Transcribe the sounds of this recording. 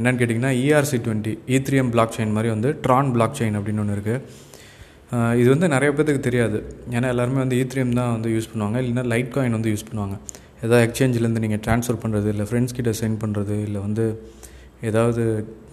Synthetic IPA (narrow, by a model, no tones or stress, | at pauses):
ɛnːɐnkeːʈ̬ːiŋɡɐnːaːiːaːɾsiʈʋɛɳʈiiːt̪ɾɪɛmbɭaːk̚t͡ʃeɪnmaːd̪ɾiʋɐnd̪ɯʈɾaːnbɭaːk̚t͡ʃɛɪnɐpːɐɽɪnːɔɳːɯɪɾɯkːɯ | ɪðɯʋɐnd̪ɯnɪɾɐjɐpeːɾɐðɯkːɯt̪ɛɾɪjaːðɯeːnaːɛlːaːɾɯmeːʋɐnd̪ɯiːt̪ɾɪjɛmt̪ãːʋɐnd̪ɯjuːspɐɳːɯʋaːŋɡɐɪlːɐnːaːlɐɪʈ̚kaːɪnʋɐnd̪ɯjuːspɐɳːɯʋaːŋɡɐ | eːðaːʋðɛkst͡ʃeːɲd͡ʒɪlɛɾɯnd̪ɯniːŋɡɐʈɾaːnsfɐːɾpɐɳːɾɐðɯɪlːɐfɾɛɳɖskiːʈːɐsɛɪnpɐɳɾɐðɯɪlːɐʋɐnd̪ɯ | eːðaːʋɐðɯ